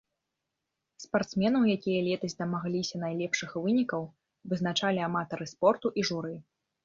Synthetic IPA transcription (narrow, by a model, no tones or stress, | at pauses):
spart̪smʲɛnɐwjakʲijɐlʲɛt̪ɐzʲd̪ɐmaɣlʲisʲɐnajlʲɛpʂɨxvɨnʲikɐw | vɨzn̪at͡ʂalʲiamat̪ɐɾɨspɔrt̪uʔiʐuɾɨj